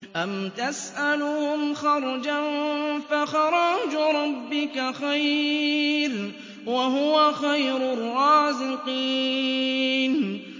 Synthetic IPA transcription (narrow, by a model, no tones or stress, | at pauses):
ʔamt̪asʔalʊhʊmxɑɾˤd͡ʒanfaxɑɾˤɑd͡ʒɾˤɑbːɪkaxaj | ɾ | waɦʊwaxajɾʊrˤːɑːzɪqiː | n